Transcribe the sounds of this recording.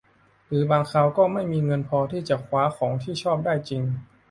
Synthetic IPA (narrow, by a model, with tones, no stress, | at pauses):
ɾɯː˩˦baː˧ŋkʰaː˧wkɔː˥˩ma˥˩jmiː˧ŋɤ˧npʰɔː˧t̪ʰiː˥˩t͡ɕa˨˩kʰwaː˦˥xʰɔː˩˦ŋt̪ʰiː˥˩t͡ɕʰɔː˥˩p̚daː˥˩jt͡ɕi˧ŋ